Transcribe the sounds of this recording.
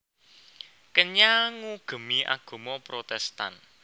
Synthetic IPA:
kəɲaŋuɡ̥ə̤miʔa̰ɡ̥o̤mɔpɾot̪ɛst̪a̰n

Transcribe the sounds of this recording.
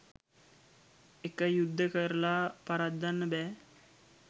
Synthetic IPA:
ekəjud̪ʱːəkəɾəlapaɾad̪ːanːəbɛː

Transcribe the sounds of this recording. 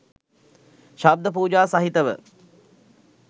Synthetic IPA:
ʃab̚d̪əp̬uːd͡ʒaːsaɦit̪əʋə̰

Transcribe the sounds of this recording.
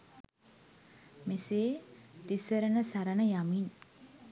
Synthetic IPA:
meseːd̪isəɾənəsaɾənəjamin

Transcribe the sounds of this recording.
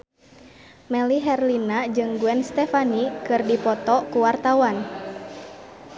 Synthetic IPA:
mɛliɦɛrlinad͡ʒɨŋɡuɛnst̪ɛfanikɨrdipɔt̪ɔkuwart̪awan

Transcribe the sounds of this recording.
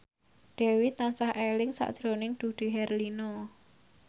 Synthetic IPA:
ɖ̥ɛ̤wit̪ansahʔelɪŋsa̰ʔd̥ʒ̥ɾonɪŋd̪̥ṳɖ̪̥i̤ɦɛrlinɔ

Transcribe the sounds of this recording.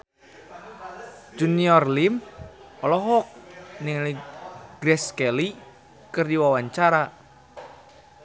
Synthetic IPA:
d͡ʒuniɔrlim | ɔlɔɦɔk̚niŋliɡ̥ɾɛskɛli | kɨrdiwawaɲt͡ʃaɾa

